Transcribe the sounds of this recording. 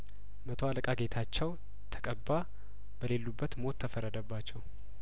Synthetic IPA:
mət̪ʰoaləkʼaɡe̞t̪ʰat͡ʃːɛw | t̪ʰə̥kʼəbːa | b̥əle̞lːubːət̪mo̞t̪ʰːəfəɾːəd̪əbːat͡ʃːɛw

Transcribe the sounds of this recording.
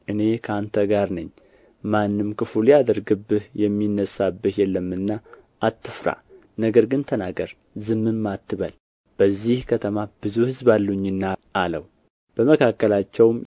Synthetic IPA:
ʔɨne̞kʰəant̪ʰəɡaɾnɨɲː | manːɨmkɨfuljad̪əɾɡɨbːɨhjɛmːinːəsabːəh̪jɛlːəmːɨnːa | ʔːt̪ːɨfɾa̰ | nəɡəɾɡɨnt̪ʰənaɡəɾ | zɨmːɨmːat̪ːɨβəl | b̥əzːihkʰət̪ʰəmab̥ɨzuhɨzbalːuɲːɨnːaʔaləw | b̥əməkʰakːəlat͡ʃːɛwm

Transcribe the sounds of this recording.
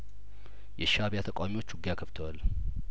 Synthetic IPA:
jɛʃaβjat̪ʰəkʼwamiwo̞t͡ʃːwʊɡjakʰəft̪ʰəwal

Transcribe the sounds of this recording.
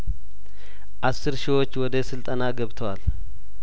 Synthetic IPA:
ʔasːɨɾʃiwo̞t͡ʃːwɔd̪əsɨlt̪ʼɐnaɡɐβt̪ʰɐwal

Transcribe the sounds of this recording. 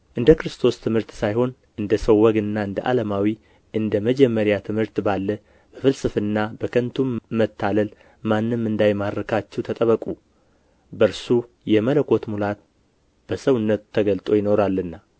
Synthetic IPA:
ʔɨnd̪əkɾɨst̪ʰo̞st̪ʰɨmhɨɾt̪sajho̞n | ʔɨnd̪əsəwːəɡɨnːaɨnd̪ə̰ʔa̰lamawi | ʔɨnd̪əməd͡ʒɛmːəɾjat̪ʰɨmhɨɾt̪balːə | b̥əfɨlsɨfɨnːabəkʰənt̪ʰumːət̪ːaləl | manːɨmːɨnd̪ajmaɾɾəkʰat͡ʃːɛwt̪ʰət̪ʼəβəkʼu | bəɾsu | jɛmələkʰo̞t̪mulat̪̚ | b̥əsəwɨnːət̪ʰːəɡəlt̪ʼo̞jɪno̞ɾalːɨnːa

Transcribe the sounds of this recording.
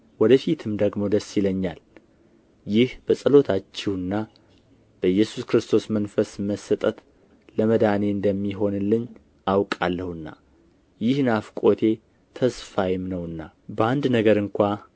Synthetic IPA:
wɔd̪əfit̪ʰɨmd̪əɡmo̞d̪əsːiləɲːal | jɪhb̥əsʼɨlo̞t̪ʰat͡ʃːɛwɨnːa | b̥əjːɛsuskɾɨst̪ʰo̞smənfəsməsət̪ʼət̪ | ləməd̪ane̞ɨnd̪əmːiɦo̞nlɨɲː | ʔawkʼalːəhɨnːa̰ | jɪhnafkʼo̞t̪ʰe̞ | t̪ʰəsfajɪmnəwɨnːabəand̪nəɡəɾɨŋkʷa

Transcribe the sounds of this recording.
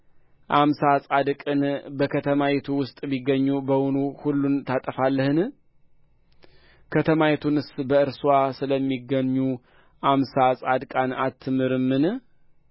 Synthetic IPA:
ʔamsasʼad̪kʼɨnbəkʰət̪ʰəmawet̪ʰuwʊst̪ʼbiɡːəɲːubəwunuhulːunt̪ʰat̪ʼəfalːəhɨn | kʰət̪ʰəmawet̪ʰunɨsbəɨɾswasɨləmːiɡːəɲːu | ʔamsasʼad̪kʼanat̪ʰːɨmɨɾɨmːɨn

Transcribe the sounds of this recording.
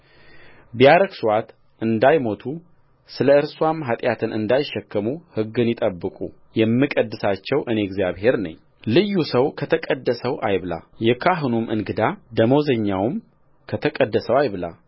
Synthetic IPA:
bijaɾəksuwat̪ | ʔɨnd̪ajmo̞t̪ʰu | sɨləɨɾswamɦat̪ʼjat̪ʰɨnɨ̰nd̪ajɪʃːɛkːəmuhɨɡːɨnjɪt̪ʼəbːɨkʼṵ | jɛmːɨkʼəd̪ːɨsat͡ʃːɛwʔɨneɡzijaβhe̞ɾnə̰ɲː | lɨjːusəwkʰət̪ʰəkʼəd̪ːəsəwajβɨla̰ljɛkʰaɦɨnumʔɨ̰nɡɨd̪ad̪əmo̞zəɲːawɨm | kʰət̪ʰəkʼəd̪ːəsəwajbɨla̰l

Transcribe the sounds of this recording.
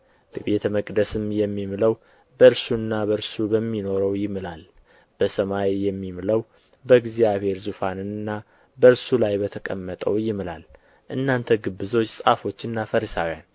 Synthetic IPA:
b̥əbe̞t̪ʰəməkʼd̪əsɨmjɛmːimləw | bəɾsuɨnːabəɾsubəmːino̞ɾəwjɪmɨlal | b̥əsəmawijɛmːimləw | bəɡzijaβhe̞ɾzufanɨnɨnːa | bəɨɾsulajbət̪ʰəkʼəmːət̪ʼəwjɪmɨla̰l | ʔɨnːant̪ʰəɡɨbːɨzo̞t͡ʃːsʼafo̞t͡ʃːɨnːafəɾəsa̰wjan

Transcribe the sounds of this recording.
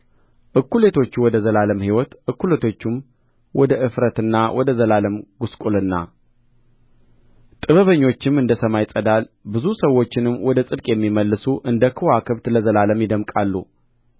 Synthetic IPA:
ʔɨkːulet̪ʰo̞t͡ʃːuwɔd̪əzəlaləmhiwɔt̪ʔɨkːulet̪ʰo̞t͡ʃːum | wɔd̪əʔɨfɾət̪ɨnːawɔd̪əzəlaləmɡuskʼulɨnːa̰ | t̪ʼɨβəβəɲːo̞t͡ʃːɪmɨnd̪əsəmajsʼəd̪albɨzusəwːo̞t͡ʃːɪnɨmːwɔd̪əsʼɨd̪kʼjɛmːiməlːɨsuʔɨnd̪əkʰɨwakʰɨβt̪ləzəlaləmjɪd̪əmkʼalːṵ

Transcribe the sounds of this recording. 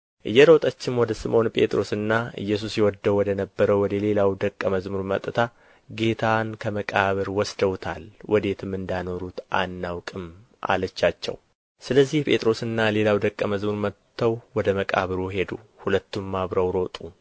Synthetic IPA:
ʔɨ̰jːɛɾowt̪ʼət͡ʃːɪmɔd̪əsɨmo̞npʼe̞t̪ʼɾo̞sɨnːaɨ̰jːɛs̬usjɛwɔd̪ːəwɔd̪ənəbːəɾəwwɔd̪əle̞lawd̪əkʼːəməzmuɾmət̪ʼːɨt̪ʰa | ɡe̞t̪ʰankʰəməkʼaβɨɾwɔsd̪əwt̪ʰa̰lwʔɔd̪e̞t̪ʰɨmɨnd̪ano̞ɾut̪ʔa̰nːawkʼɨm | ʔa̰lət͡ʃːat͡ʃːɛ̰w | sɨləzːihpʼe̞t̪ʼɾo̞sɨnːale̞lawd̪əkʼːəməzmuɾmət̪ʰːəwwɔd̪əməkʼa̰βɨɾuɦe̞d̪uhulət̪ːumːaβɾəwɾo̞t̪ʼu

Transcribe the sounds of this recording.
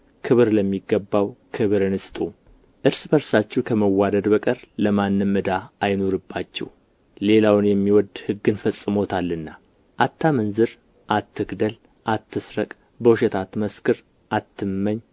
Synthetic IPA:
kʰɨβɨɾləmːiɡːəbːawkʰɨβɨɾɨnɨst̪ʼu | ʔɨɾsbəɾsat͡ʃːɛwkʰəməwːad̪əd̪bəkʼəɾləmanːɨmmːɨd̪aajno̞ɾɨbːat͡ʃːɛ̰w | le̞lawnjɛmːiwɔd̪hɨɡːɨnfəsʼːɨmo̞t̪ʰalːɨnːa | ʔat̪ʰːamənzɨɾ | ʔat̪ʰːɨɡd̪əl | ʔat̪ːɨsɾəkʼ | bəwʃɛt̪ʰat̪məskʰɨɾ | ʔat̪ʰːɨmːəɲ

